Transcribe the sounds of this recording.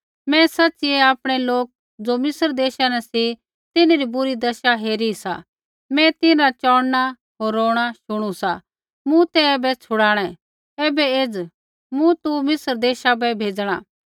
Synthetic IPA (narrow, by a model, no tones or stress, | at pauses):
mɛ̃sɐtːt͡ʃieaːpɽ̃eloːk̚ | d͡zoːmɪsəɾd̪eːʃanɛsi | t̪ɪneɾibʊɾid̪ɐʃaɦeːɾisa̰ | mɛ̃t̪ɪnat͡ʃɔːɽna | ɦoːɾːoːɽ̃aʃʊɽ̃usa | mũt̪ɛɛːbɛt͡sʰʊɽaːɽ̃ɛ̃ | ɛːbɛeːd͡z | mũt̪umɪsəɾd̪eːʃabɛbʱeːd͡zɽ̃a̰ː